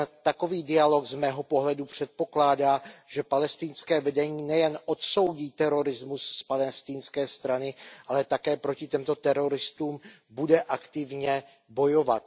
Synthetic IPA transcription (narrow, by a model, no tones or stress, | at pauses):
t̪ako̞viːdɪalo̞ɡzmɛːɦo̞po̞ɦlɛdupr̝̥ɛt̪̚po̞klaːdaːʒ̥ɛpalɛst̪ɪnskɛːvɛdɛɲiːnɛjɛnʔo̞t̪so̞wɟiːt̪ɛɾo̞ɾɪzmusːpalɛst̪ɪnskɛːst̪ɾanɪʔalɛt̪akɛːpɾo̞cɪt̪ɛmt̪o̞t̪ɛɾo̞ɾɪst̪uːmbudɛʔakt̪ɪvɲɛ | bo̞jo̞vat̪̚